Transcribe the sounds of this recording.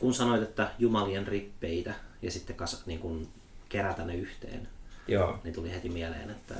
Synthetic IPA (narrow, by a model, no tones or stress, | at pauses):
kunsɑnoit̪et̪ːæjumɑlienripːeit̪æjɑsit̪ːekɑsniːŋkun | keræt̪ænːeyht̪ḛːnjoːnit̪ulihet̪imielḛːnet̪ːæ̰